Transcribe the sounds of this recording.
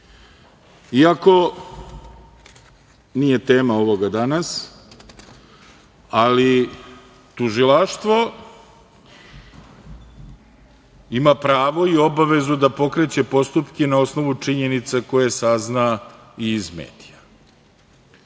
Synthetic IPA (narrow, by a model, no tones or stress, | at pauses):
iako̞ | nije̞t̪eːmao̞ʋo̞ɡad̪anas | ali | t̪uʒilaʃt̪ʋo̞ | imapɾaːʋo̞io̞baʋe̞zud̪apo̞kɾe̞t͡ɕe̞po̞st̪upkenao̞sno̞ʋut͡ʂiɲe̞nit̪sako̞je̞sazna | iːzmḛːd̪̥ija